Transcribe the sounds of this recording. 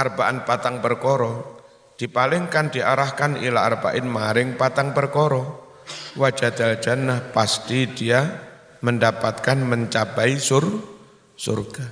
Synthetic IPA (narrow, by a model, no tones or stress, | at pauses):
arb̥aʔanpat̪aŋpərkɔɾɔ | d̥i̤palɪŋkand̥iʔaɾahkanḭlaːrb̥a̰ʔɪnmaɾɪŋpat̪aŋpərkɔɾɔ | wḁd͡ʒ̥a̤d̪̥al̥d͡ʒ̥a̤nːahpast̪id̥ia | məndapat̪̚kanməɲt͡ʃab̥aisʊr | sʊ̰rɡ̥a